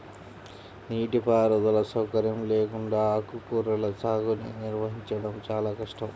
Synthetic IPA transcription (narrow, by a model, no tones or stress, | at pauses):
niːʈipaːɾɐd̪ɐlɐsɐwkɐɾjɐmleːkuɳɖaːɐkukuɾɐlɐsaːɡunḭniɾʋɐɦiɲt͡ʃɐɽɐmt͡ʃaːlaːkɐʂʈɐm